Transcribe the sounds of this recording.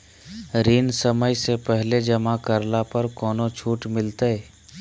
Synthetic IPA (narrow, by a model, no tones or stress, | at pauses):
ɾinsəməjsepɛɦled͡ʒɐmakəɾlapəɾkɔːnõt͡ʃʰuːʈmɪlt̪ee